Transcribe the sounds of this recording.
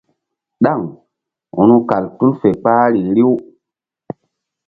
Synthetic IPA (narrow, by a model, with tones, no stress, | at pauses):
ɗa˦˨ŋ | ṵ˨nu˦ka˨ltu˦lfe˨k͡paː˦ɾi˨ɾi˦w